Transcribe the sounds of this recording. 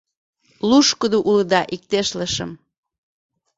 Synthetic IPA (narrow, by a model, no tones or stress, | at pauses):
luʃkəd̪oʔuləd̪ɑʔik̚t̪eʃləʃə̰m